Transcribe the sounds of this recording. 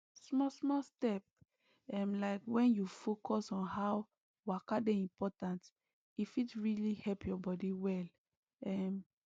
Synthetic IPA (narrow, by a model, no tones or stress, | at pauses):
smɔsmɔstɛp̚ | ɛmlaɪkwɛ̃njufokʰɔsɔ̃nhaw | wakadeĩmpɔtãnt | ifitɹilihɛlpʰjɔbɔdiwɛl | ɛm